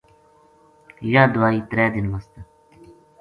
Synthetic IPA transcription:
jaːd̪ʊwaːiːt̪ɾɛːd̪ɪnmɐst̪ə

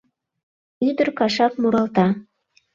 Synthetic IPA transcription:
yd̪ɘ̆ɾkɑʃɑkmuɾɑlˠt̪ɑ

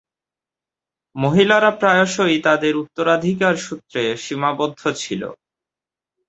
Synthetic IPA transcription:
moɦilaɾapɾaeoʃoit̪ad̪eɾut̪ːoɾad̪ʱik̬aɾʃut̪ːɾeʃimabod̪ʱːot͡ɕʰilo̰

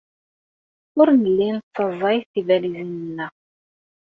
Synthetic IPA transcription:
ʊɾnəlːint̪t͡sːɑzˤːɑjθθivælizinənːæ

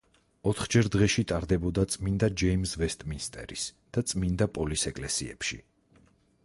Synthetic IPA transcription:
ɔt̪ʰχd͡ʒɛɾd̪ʁɛʃit̪ʼaɾd̪ɛbɔd̪at̪sʼmind̪ad͡ʒɛimsvɛst̪ʼminst̪ʼɛ̰ɾisd̪̥at̪sʼmind̪apʼɔlisɛkʼlɛsḭɛ̰pʃḭ

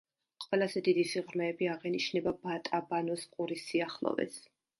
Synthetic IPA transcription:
qʼwɛlˠazɛd̪id̪isiʁɾmɛːbiaʁɛniʃnɛbabat̪ʼabanɔsqʼuɾisiaχlˠɔ̰vɛ̰s

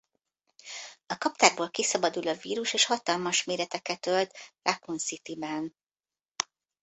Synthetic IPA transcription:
ɒkɒpt̪aːɡboːlkisɒbɒd̪ulɒviːɾuʃeːʃhɒt̪ɒlmɒʃmeːɾɛt̪ɛkɛt̪ølt̪ɾʔakunsit̪ibɛn

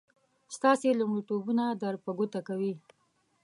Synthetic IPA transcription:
st̪ɑselʊmɽit̪obunad̪aɾpaɡot̪akawi

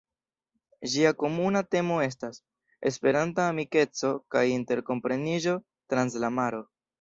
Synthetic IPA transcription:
ʒiako̞munate̞mo̞e̞s̬tas | e̞spe̞ɾantaːmike̞t͡so̞kajinte̞ɾko̞mpɾe̞niʒo̞ | tɾanslamaɾo̞

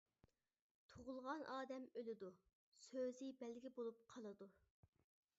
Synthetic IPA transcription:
t̪ʰoʁʊlˠʁɑnʔɑːd̪ɛmølɪd̪u | søzɪbɛlɡʲibolˠup̚qʰɑlˠɨd̪u

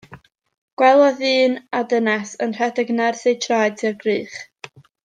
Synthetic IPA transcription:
ɡ̥wɛlˠɔðɨːnadənasənr̥ɛdəɡnarsejtʰrajdsɪrɡriːχ

